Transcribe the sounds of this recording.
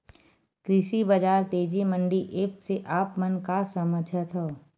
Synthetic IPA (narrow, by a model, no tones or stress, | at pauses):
kɾɪʃibɐd͡ʒaːɾt̪eːd͡ʒimə̃ɳɖiʔeːpseʔaːpmənkasəməd͡ʒʱət̪ɦoː